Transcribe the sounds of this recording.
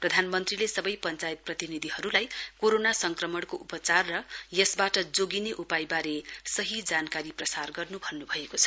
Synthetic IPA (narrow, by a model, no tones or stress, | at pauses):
prʌd̪ʱanmʌnt̪rilesʌbʌjpʌnt͡sajet̪̚prʌt̪inid̪ʱiɦʌɾulajkoɾonasʌŋkrʌmʌɽkoʔupʌt͡sarːʌjʌsbaʈʌd͡zoɡineʔupajbaɾesʌɦid͡zankaɾiprʌsarɡʌrnubʱʌnːubʱʌekot͡sʰʌ̥